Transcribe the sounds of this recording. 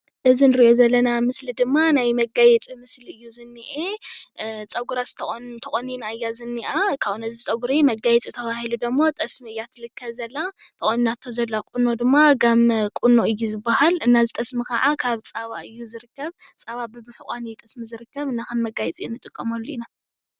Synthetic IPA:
ʔɨzinɨɾiʔozɐlːɐnamɨslid̪ɨmːanajmɐɡajɛt͡sʼimɨsliɨjːuzɨnːiʔe | t͡sʼɐɡuɾast̪ʰt̪ʰɐkʼonːinaɨjːazɨnːiʔakʰaβunɐzit͡sʼɐɡuɾimɐɡajɛt͡sʼit̪ʰɐβahilud̪ɐmːo̞t̪ʼɐsmiɨjːat̪ʰɨlɨkʰːɐβzɐlːat̪ʰɨʔʼoninat̪ʰːo̞zɐlːakʼunːod̪ɨmːaɡɐmkʼunoɨjːuzɨbːahalɨnːazɨt̪ʼɐsmikʰa̰ʕakʰaβt͡sʼaβaɨjːuzɨɾɨkːɐβt͡sʼaβabɨmɨħukʷʼanɨjːut̪ʼɐsmizɨɾɨkːɐβɨnːakɐmːɐɡajɛt͡sʼiɨnːɨt̪ʼɨkʼːɐmolːuina

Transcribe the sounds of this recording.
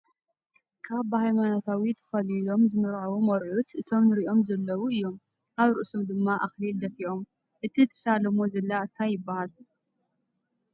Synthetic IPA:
kʰaβhajmanot̪ʰawit̪ʰɐ̥fɐlilo̞mzɨmɨɾʕawumɐɾʔut̪ʔɨt̪ʰo̞mnɨɾiʔo̞mzɐlːɐwuɨjːo̞m | ʔaβɾɨʔsomd̪ɨmːaʔaxlild̪ɐfiʔo̞m | ʔɨt̪ʰit̪ʰɨ̥salɐmo̞zɐlːaʔt̪ʰajɪbːahal

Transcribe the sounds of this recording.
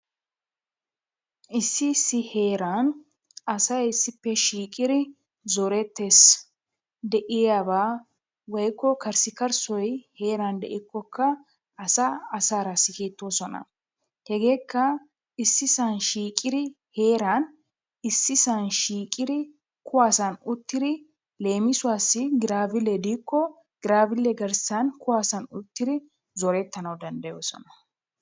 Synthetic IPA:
ʔɪsːɪsːɪhe̞ːɾɐn | ɐsɐjɪsːɪpːɛʃiːkʼɪd̪ɪ | zɔɾɛt̪ːeːs | d̪ɛʔɪjaːbaː | wɔjkːɔkɐɾsɪkɐɾsɔjhe̞ːɾɐnd̪ɛʔɪkːɔkːɐ | ɐsɐɐsaːɾasɪkeːt̪ːoːsɔnɐ̰ | hɛɡe̞ːkːɐ | ɪsːɪsanʃiːkʼɪɾɪ | he̞ːɾaːn | ɪsːɪsaːnʃiːkʼɪɾɪ | kʰʊwaːsɐnʊt̪ːɪd̪ɪ | le̞ːmɪsʊwaːsːɪɡɪɾaːvɪlɛd̪iːkːɔ | ɡ̥ɪɾaːvɪlːɛɡɐɾsaːnkʊwaːsɐnʊt̪ːɪɾɪ | zɔɾɛt̪ːɐnɐwd̪ɐnd̪ɐjo̞ːsɔ̰nɐ̥

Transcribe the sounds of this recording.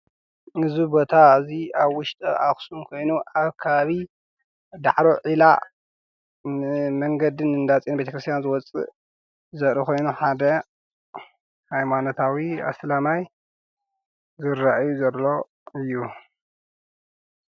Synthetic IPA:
ɨzibo̞t̪ʰaziaβwʊʃt̪ʼɨaxsumkʰo̞jnuʔaβkʰɐβaβi | d̪a̰ʕɾoʕila̰ | mɐŋɡɐd̪ɨnɨnd̪at͡sʼinbe̞t̪ʰɐkɾɨst̪ʰjanzɨwɔt͡sʼɨ̰ʔ | zɐɾikʰo̞jnuħad̪ɐ | hajmanot̪ʰawia̰slamaj | zɨɾaʔjuzɐlːo̞ | ɨjːu

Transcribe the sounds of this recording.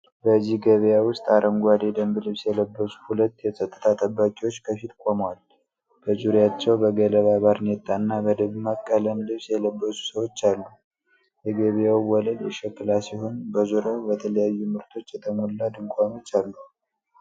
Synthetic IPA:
bəzːiɡəβjawʊst̪ʼaɾʔəŋɡʷad̪ed̪əmbɨlɨβsjɛləbːəsu̥hulət̪ːjɛsʼət̪ʼːə̥t̪ʰat̪ʼəbːakʼiwo̞t͡ʃːkʰəfit̪kʷʼomwal | b̥əzuɾjat͡ʃːɛwbəɡələβaβaɾnet̪ʼːanːabəd̪əβmakʼːələnlɨβsjɛləbːəsu̥səwo̞t͡ʃːalːu | jɛɡəβjawwɔləljɛʃɛkːɨlasiho̞nbəzuɾəbət̪ʰələjajːumɨɾt̪ʰo̞t͡ʃːjɛt̪ʰəmolːad̪ɨŋkʷʼano̞t͡ʃːalːu

